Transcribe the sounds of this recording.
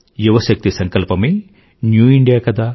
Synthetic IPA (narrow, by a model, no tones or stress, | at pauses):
juʋɐʃɐk̚t̪isɐŋkɐlpɐmeː | njuːiɳɖijaːkɐd̪aː